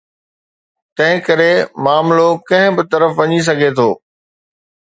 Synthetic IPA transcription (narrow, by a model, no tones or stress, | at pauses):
t̪ɐ̃ɦɪ̃kɐɾemaːmlokɐ̃ɦɪ̃bɪt̪ɐɾəfʋɐɲis̬ɐɡʱet̪ʰoː